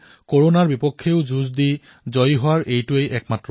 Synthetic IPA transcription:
koɹonaɹbipɔkʰːeʊzuzdi | zɔjɦʊwaɹʔejtʊejʔɛk̚matɹɔ

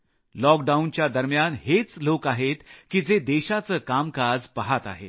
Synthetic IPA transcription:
lɔk̚ɖaunt͡ɕjad̪əɾmjanɦet͡slokaɦet̪kiːd͡zed̪eɕat͡səkamkad͡zpaɦat̪a̰ɦḛ

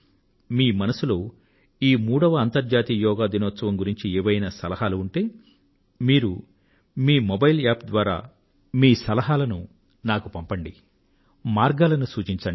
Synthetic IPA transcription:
miːmɐnɐsulo̞ː | iːmuːɽɐʋɐːnt̪ɐɾd͡ʒaːt̪iːjɔːɡaːd̪inɔːt̪sɐʋɐmɡuɾiɲt͡ʃieːʋɐjnɐsɐlɐɦaːluːɳʈe̞ː | miːɾu | miːmobɐjlaːpd̪ʋaːɾa̰ː | miːsɐlɐɦaːlɐnu | naːkupɐmpɐɳɖi | maːɾɡaːlɐnusuːt͡ʃiɲt͡ʃɐɳ

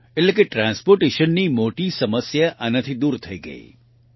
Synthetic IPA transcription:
elekeʈɾãːnspoːɾʈeʃənːimoːʈisɐməsjaʔanɐt̪ʰid̪uːɾt̪ʰɐiɡə̰ḭː

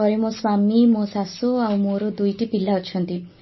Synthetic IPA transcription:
ɔɾemõswamimõsasuawmoɾod̪ujʈipilːaɔt͡ʃʰɔnt̪i

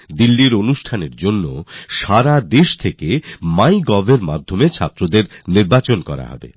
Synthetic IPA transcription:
d̪ilːiɾonuʃʈʰaneɾd͡ʑonːoʃaɾad̪eʃt̪ʰekemajɡɔbʱeɾma̰d̪ʱːomet͡ɕʰat̪ːɾod̪eɾniɾbat͡ɕonkɔɾa̰ɦɔ̰bḛ

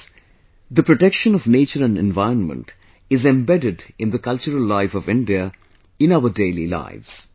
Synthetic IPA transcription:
d̪əpɾoʈɛkʃə̃nɔʋneːt͡ʃəɾæ̃ɳɖḛ̃nʋaɪɾə̃nmə̰̃ɳʈ | ɪzẽmbɛɖɪɖɪ̃nd̪əkʌlt͡ʃəɾəlːaɪfɔʋɪ̃ɳɖia | ɪ̃naʊəɖeːlḭla̰ɪʋz̥

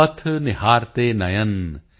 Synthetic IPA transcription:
ɐt̪ʰnɪɦaːɾt̪eːnɐjɐn

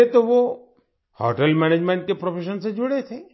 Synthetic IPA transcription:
et̪oʋo | hɔ̰ʈəlmɛned͡ʒmẽɳʈ̚kepɾopʰeʃənsẽd͡ʒoɽet̪ʰe

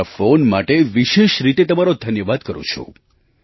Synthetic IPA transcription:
afonmaʈeʋiʃeʃɾit̪et̪əmaɾod̪ʱənjəʋad̪kəɾṵ̃t͡ʃʰṵ̃

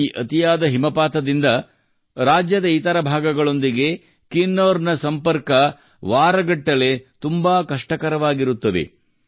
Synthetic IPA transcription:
iʔɐt̪ijaːd̪ɐɦimɐpaːt̪ɐd̪ind̪ɐ | ɾaːd͡ʒjɐd̪ɐiːt̪ɐɾɐbʱaːɡɐɡɐɭo̞nd̪iɡe̞ | kinːoːɾnɐsɐmpɐɾkɐ | ʋaːɾɐɡɐʈːɐle̞t̪umbaːkɐʂʈɐkɐɾɐʋaːɡiɾut̪ːɐd̪e̞̰

